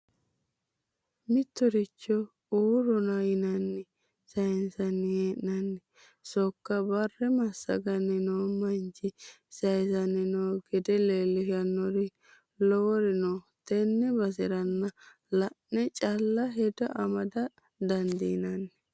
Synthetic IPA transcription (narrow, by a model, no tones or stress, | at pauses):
mɪt̪ːɔɾɪt͡ʃːɔ | uːɾɔnɐjɪnɐnːɛ | sɐjnsɐnːɪjeːʔnɐnːɛ | sɔkːɐbɐrːɛmɐsːɐ̰ɡɐnːɛnoːmɐnd͡ʒɪ | sɐjsɐnːɛnoɡɛd̪ɛleːlːɪʃɐnːɔɾɪ | lɔwɔɾɪnɔ | t̪ɛnːɛbɐs̬ɪɾɐnːɐ | lɐʔnɛt͡ʃʼɐlːɐɦɛd̪ɔʔɐmɐd̪ɐ | d̪ɐnd̪inɐnːɛ